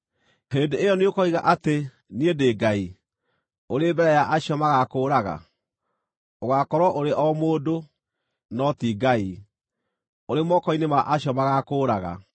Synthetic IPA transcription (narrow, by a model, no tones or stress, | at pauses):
heːndeejɔneokɔiɣaʔate | niedeːɡai | oɾeːbɛɾɛjaʔaɕiɔmaɣakoːɾaɣa̰ | oɣakɔɾwɔʔoɾeʔɔmoːdo | nɔtiːɡai | oɾemɔkɔinemaʔaɕjɔmaɣakoːɾaɣa̰